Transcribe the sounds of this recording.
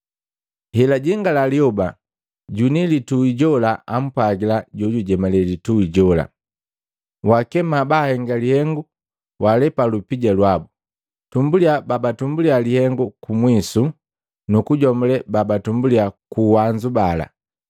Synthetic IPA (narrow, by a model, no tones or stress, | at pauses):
hɛlaɟiŋɡalaliɔba | ɟunilituiɟɔlaʔam̩pwaɡilaɟɔɟuɟɛmalɛlituiɟɔla̰ | wakɛmabahɛŋɡalihɛŋɡu | wʔalɛpalupiɟalwabu | tumbuliababatumbulialihɛŋɡukumwisu | nukuɟɔmulɛbabatumbuliakuwaɲd͡ʒubala̰